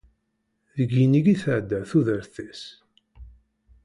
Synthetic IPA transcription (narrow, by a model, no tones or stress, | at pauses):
ðəɡːiniɡiθəʕd̪æθuðəɾθæs